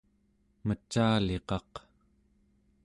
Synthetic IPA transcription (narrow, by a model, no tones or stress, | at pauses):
mət͡ʃaːle̞qɑq